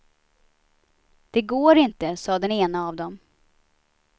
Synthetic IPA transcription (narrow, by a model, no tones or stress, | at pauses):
d̪̥ɛɡoːɾɪnt̪əsɑːd̪ɛneːnaːvd̪ɔm